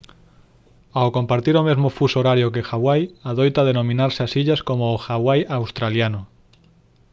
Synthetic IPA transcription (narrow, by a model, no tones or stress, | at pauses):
awkompaɾt̪iɾomezmofusoɾaɾjokexaβwajaðojt̪að̞enõmĩnaɾseasiʎaskomoːxaβwajawst̪ɾaljano